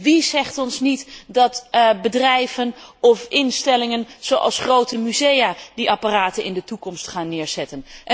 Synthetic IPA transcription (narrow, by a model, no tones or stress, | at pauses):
ʋizɛχtɔnsnitdɑtbədrɛjvənɔfɪnstɛlɪŋənz̥owʔɑ̰lˠsχrowtəmyzejaːdiʔɑpaːraːtənɪ̰ndətukɔmstχaːnːɪːɹz̥ɛtənʔ